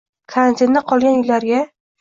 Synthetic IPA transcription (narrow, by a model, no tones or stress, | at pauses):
kʰaɾant̪ʰɪnːaqʰɒlˠɡʲanjɪlːaɾɡʲa